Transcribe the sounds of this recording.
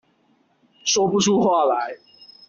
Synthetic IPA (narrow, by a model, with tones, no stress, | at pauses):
ʂwɔ˥pu˥ʈ͡ʂʰu˥˦xwa˥˩la˨˦ɪ